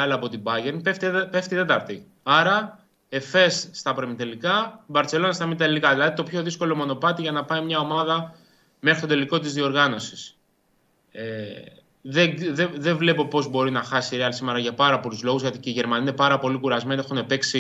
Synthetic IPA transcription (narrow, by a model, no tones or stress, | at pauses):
ɐlɐːpo̞t̪ibɐʝeɾnpeft̪peft̪it̪e̞t̪ɐɾt̪i | ɐɾɐ | efe̞sːt̪ɐpɾemit̪elikɐibɐɾt͡se̞lo̞nɐst̪ɐmit̪ɐlikɐðilɐðit̪o̞pço̞ðisko̞lo̞mo̞no̞pɐt̪iʝɐnɐpɐimɲɐo̞mɐðɐ | mexɾist̪o̞d̪eliko̞t̪izðio̞ɾɣɐno̞si̥s | e | ðeðeðevle̞po̞po̞zbo̞ɾinɐxɐsiɾeɐlsimeɾɐʝɐpɐɾɐpo̞luzlo̞ɣuzʝɐt̪iceiʝe̞ɾmɐniine̞pɐɾɐpo̞likuɾɐzme̞ne̞xunepe̞ksi